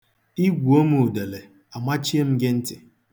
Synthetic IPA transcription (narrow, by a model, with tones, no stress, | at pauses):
i˦ɡʷu˨o˦mu˨u˨de˨le˨ | a˨ma˦t͡ʃi˦e˦m̩˦ɡɪ˦n̩˦tɪ˨